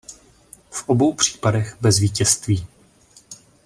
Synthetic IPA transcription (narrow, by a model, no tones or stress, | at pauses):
fʔobo̞wpr̝̥i̥ːpadɛɣbɛzviːcɛst̪viː